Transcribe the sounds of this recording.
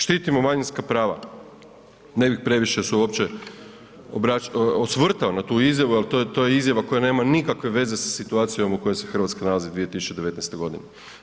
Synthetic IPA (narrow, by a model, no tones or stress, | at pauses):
ʃt̪iːt̪imo̞maɲinskapɾaːʋa̰ | ne̞bixpɾe̞ʋiʃesuuopt͡ɕe | obɾaosʋr̩t̪aonat̪uːizjaʋualt̪ot̪ojeizjaʋako̞jane̞ːmanikakʋe̞ʋe̞ze̞sḁsit̪uaːt̪sijo̞muko̞jesexr̩ʋat̪skanalazid̪ʋie̞t̪isu̥t͡ʃe̞d̪eʋe̞t̪nejst̪eɡo̞d̪ine